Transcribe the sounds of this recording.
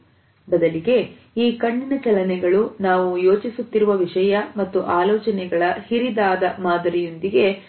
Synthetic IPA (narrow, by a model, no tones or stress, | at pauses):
bɐd̪ɐliɡe̞ | iːkɐɳːinɐt͡ʃɐlɐnɛɡɐɭunaːʋujo̞ːt͡ʃisut̪ːiɾuʋɐʋiʂɐjɐmɐt̪ːuʔaːlɔːt͡ʃɐnɛɡɐɭɐhiɾid̪aːd̪ɐmaːd̪ɐɾijond̪iɡe̞